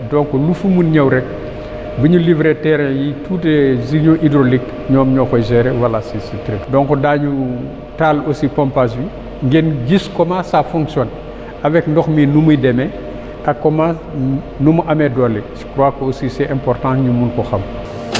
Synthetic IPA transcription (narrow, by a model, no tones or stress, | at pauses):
dɔŋkɔlufumunɲɐwɾɛk̚ | bəɲulivɾɛtɛɾɛjituːtɛziɲɔ̃ʔidɾolik | ɲɔːmɲɔːkɔjzɛɾɛwɐlasisitɾikdɔŋkɔdaɲu | talosipɔmpas̬bi | ŋɡɛnɟiskɔmasafɔ̃ŋksjɔn | ɐvɛkndɔxminumudɛmɛ | ʔɐkːɔma | numuʔɐmɛdɔlɛsi̥pɾwakːoosisɛʔɛ̃mpɔrtãɲumunkɔxɐm